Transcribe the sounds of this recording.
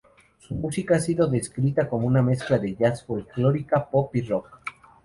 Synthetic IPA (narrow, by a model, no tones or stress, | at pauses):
sumusikaasiðo̞ðe̞skɾit̪akomouname̞sklaðe̞ʝasfolkloɾikapopirok̚